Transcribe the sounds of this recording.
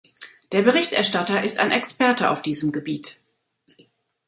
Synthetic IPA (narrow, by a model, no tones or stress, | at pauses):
d̥eːɐbəʁɪçtʔɛɐʃtatɐʔɪsta̰ɪnʔɛkspɛɐtəʔa̰ʊfd̥iːzəmɡəbiːt